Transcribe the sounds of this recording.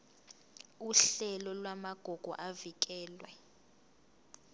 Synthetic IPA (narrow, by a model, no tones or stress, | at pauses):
uɬɛlɔlwamaɡ̥ʱɔɡ̥ʱɔ̰ʔavik̬ʼɛːlwɛ